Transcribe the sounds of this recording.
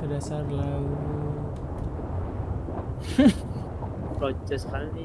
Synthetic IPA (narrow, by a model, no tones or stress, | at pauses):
sədasarlau | kɔt͡ʃɛskalni